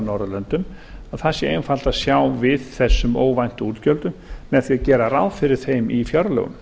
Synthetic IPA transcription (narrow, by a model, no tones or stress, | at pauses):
nɔwɾʏlœnt̪ʏm | aðθasːɪejnfal̥t̪asjawvɪðθɛsːʏmo̰ːwvajn̥t̪ʏuːɾt̪cœlt̪ʏmmɛðθiaðcɛːɾaɾawðfɪɾɪɾ̥θejmifjœɾlœ̰ɣʏ̰m